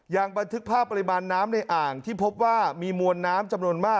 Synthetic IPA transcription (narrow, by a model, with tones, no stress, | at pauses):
jaː˨˩ŋba˧nt̪ʰɯ˦˥k̚pʰaː˥˩pːa˧i˦˥maː˧nːaː˦˥mna˧jʔaː˨˩ŋt̪ʰiː˥˩pʰo˦˥p̚waː˥˩miː˧mu˧ənːaː˦˥mt͡ɕa˧mnu˧ənmaː˥˩k